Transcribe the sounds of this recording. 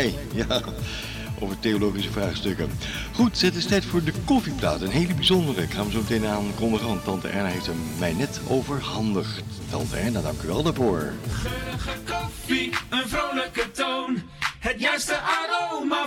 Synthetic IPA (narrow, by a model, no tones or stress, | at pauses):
ej | jaː | ʔo̰wvəɹteolowχisəvraːχstɵkən | χutsɛtɪstɛjtfʊːɹdəkɔfipla̰ːtənɦejləbizɔndərəkχaːnʋəzowmətejnaːnkɔndəχəʋɑntːɑntə̰ʔɛ̰ɹnaɦejftəmmɛjnɛto̰wvəɹɦɑndəχtːɑ̰ntə̰ɛɹnadɑŋkyʋɛlˠdaɹvʊːɹ | əkfiənvrowləkəton | ɦətjɛstəʔadom